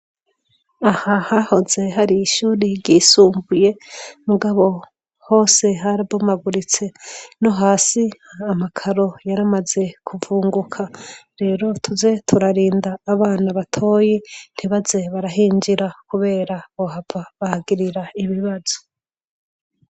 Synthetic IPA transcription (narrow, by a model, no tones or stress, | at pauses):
ahahaho̞ze̞ɦaɾiːʃuːɾiɾɟisuːmbuje̞muɡaβo̞ | ho̞ːse̞ɦaɾiβomaɡuɾit͡se̞no̞ɦaːsiamakʰaɾo̞jaɾamaze̞kʰuvuːŋɡukʰaɾe̞ːɾo̞tʰuze̞tʰuɾaɾiːndaːβaːnaβatʰo̞ːjin̥hiβaze̞βaɾaɦiːɲd͡ʒiɾakuβe̞ːɾaβohavaβahaɡiɾiɾaiβiβazo̥